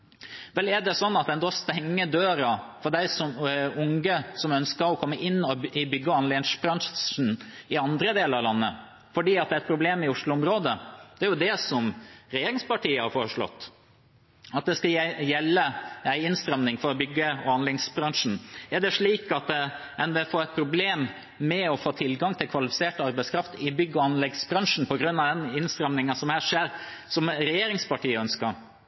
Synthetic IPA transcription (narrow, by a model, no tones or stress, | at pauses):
ʋɛlɛɖɛsɔnːɑt̪̚d̪ɛnd̪ɔst̪ɛŋːəd̪øːɾɑfɔɾɖ̪æɪsɔmʊŋɡəsɔmœnskəɾɔkʰɔmːəʔɪnːɔɪbʏɡːəɑnleʂbɾɑnn̩ɪɑnd̪ɾəd̪eːləɾɑʋlɑnːə | fɔɖiːɑt̪̚d̪ɛæɾɛt̪pʰɾʊbleːmɪʊʂlʊʊmɾoːd̪əd̪̥ɛæɾjʊd̪ɛsɔmɾɛjeːɾɪŋspɑʈʰiːəhɑɾfɔɾəʂɭɔ̰t̪ː | ɑt̪̚d̪ɛskɑjɛlːəæɪɪnst̪ɾɛmnɪŋfɔɾɔbʏɡːəɔɑnlɛɡsbɾɑŋʂn̩ɛɖɛʂɭiːkɑt̪ɛnʋɛfoːɾɛɪt̪̚pʰɾʊbleːmː | ɛɔfoːt̪ʰɪlɡɑŋt̪ʰɪlkʰʋɑlɪfɪseːʈəɑɾbæɪskʰɾɑft̪ɪbʏɡːəɔɑnlɛɡsbɾɑŋʂn̩pʰɔɡɾʉnːɑʋd̪ɛnɪnst̪ɾɛmnɪŋɑsɔmhæːʂeːɾ | sɔmɾɛjeːɾɪŋspɑʈiːəœnskɑɾ